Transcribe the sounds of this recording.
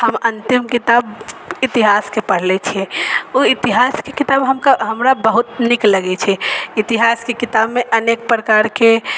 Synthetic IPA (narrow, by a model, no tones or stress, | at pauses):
həmənt̪imkit̪abit̪iɦaskepəɽ̤lɛt͡ʃʰɛuit̪iɦaskekit̪aːbɦəmkaɦəmɾabəɦut̪nɪkləɡɛt͡ʃʰɛit̪iɦaskekit̪abmeʔənek̚pɾəkaɾke